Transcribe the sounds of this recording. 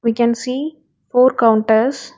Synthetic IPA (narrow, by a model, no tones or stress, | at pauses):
ʋiːkɛ̃nsiː | foːɾkãʊ̃ɳʈəɾs